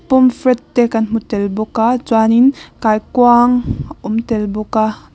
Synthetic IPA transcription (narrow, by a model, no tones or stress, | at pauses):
pumfɾɛtːɛkanm̥utɛlbɔkat͡swaninkajkwaŋʔɔmtɛlbɔka